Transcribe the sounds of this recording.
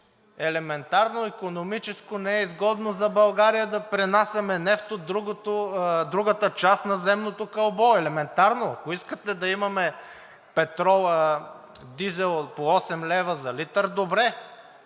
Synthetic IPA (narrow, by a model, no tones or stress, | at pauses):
ɛlɛmɛnt̪aɾnoikonomit͡ʃɛskonɛɛizɡɔd̪nozɐbɐlˠɡaɾijəd̪ɐpɾɛnasʲɐmɛnɛft̪od̪ɾuɡot̪od̪ɾuɡət̪ət͡ʃast̪nɐzɛmnot̪okɐlˠbɔɛlɛmɛnt̪aɾnoɐkoiskət̪ɛd̪ɐimɐmɛ | pɛt̪ɾɔ | d̪izɛlˠpoɔsɛmlɛvɐzɐlit̪əɾd̪obɾɛ